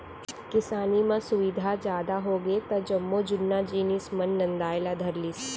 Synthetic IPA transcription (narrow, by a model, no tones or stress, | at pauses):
kɪsaːnimãsʊʋɪd̪ʱad͡ʒjaːd̪aɦoɡet̪ɐd͡ʒɐmːod͡ʒʊnːad͡ʒiːnɪsmɐ̃nːɐ̃nd̪aːjlad̪ʱɐɾliːs